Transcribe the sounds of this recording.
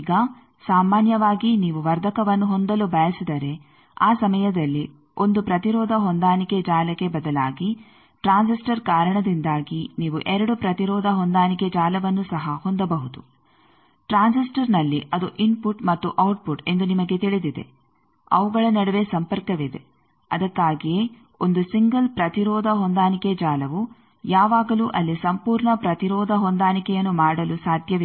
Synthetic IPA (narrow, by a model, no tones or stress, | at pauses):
ɡɐ | saːmaːnjɐʋaːɡiniːʋuʋɐɾd̪ʱɐkɐʋɐnːuɦond̪ɐlubʱɐjɐsid̪ɐɾe̞ | aːsɐmɐjɐd̪ɐlːi | ʔo̞nd̪upɾɐt̪iɾɔːd̪ɐɦond̪aːniked͡ʒaːlɐke̞bɐd̪ɐlaːɡi | ʈɾaːnsisʈɐɾkaːɾɐɳɐd̪ind̪aːɡiniːʋuʔɛɾɐɽupɾɐt̪iɾɔːd̪ʱɐɦond̪aːniked͡ʒaːlɐʋɐnːusɐɦɐhond̪ɐbɐɦud̪u | ʈɾaːnsisʈɐɾnɐlːiʔɐd̪uʔinpuʈmɐt̪ːuʔɐwʈ̚puʈe̞nd̪unimɐɡe̞t̪iɭid̪id̪e̞̰ | ɐ̰ʋuɡɐɭɐnɐɽɐʋe̞sɐmpɐɾkɐʋid̪e̞̰ | ɐd̪ɐkːaːɡijeː | ond̪usiŋɡɐlpɾɐt̪iɾɔːd̪ʱɐɦond̪aːniked͡ʒaːlɐʋu | jaːʋaːɡɐluʔɐlːisɐmpuːɾɳɐpɾɐt̪iɾɔːd̪ʱɐɦond̪aːnikɛjɐnːumaːɽɐlusaːd̪ʱjɐʋ